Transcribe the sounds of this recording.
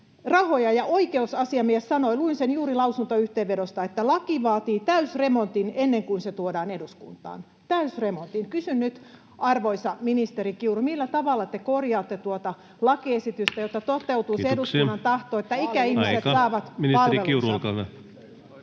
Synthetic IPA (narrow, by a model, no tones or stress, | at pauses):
rɑhojɑjɑʔoikeusɑsiɑmiessɑnoiluinsenjuːrilɑusunt̪oyht̪eːʋʋedost̪ɑet̪ːælɑkiʋɑːt̪iːt̪æysremont̪inenːeŋkuinset̪uodɑːneduskṵnt̪ɑ̰ːn | t̪æysremont̪inkysynnyt̪ | ɑrʋoisɑminist̪eɾikiurumilːæt̪ɑʋɑlːɑt̪ekorjɑːt̪ːet̪uot̪ɑ | lɑkiesit̪yst̪æjot̪ːɑt̪ot̪eut̪uiseedussunːɑnt̪ɑht̪oːet̪ːæikæihissetk̪sɑːʋɑt̪minipɑlieliuskɑn